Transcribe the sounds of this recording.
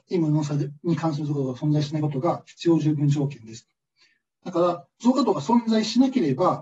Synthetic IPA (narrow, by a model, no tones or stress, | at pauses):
imɯnos̬aɲ̟ikãɰ̃s̬ɨɾɯzoːkat̪oasõnd͡zaiɕinaiko̞t̪o̞ɡaçi̥t͡sɨjo̞ːʑɨːbɯ̃ɲ̟d͡ʑo̞ːkẽ̞nd̪e̞sɨ̥ | d̪̥akaɾazo̞ːkat̪o̞ɡasõ̞nd͡zaiɕinake̞ɾe̞ba